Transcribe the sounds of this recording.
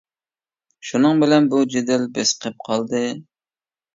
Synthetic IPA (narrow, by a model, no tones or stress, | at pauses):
ʃunɨŋbɪlɛnbud͡ʒed̪ɪlbɪsqʰəp̚qʰɑlˠd̪ɨ